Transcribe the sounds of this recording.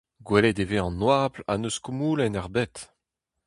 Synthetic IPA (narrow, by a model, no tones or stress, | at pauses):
ɡwɛled̪eveɑ̃nwaːpla̰nøskumuːlɛnaʁbɛt̪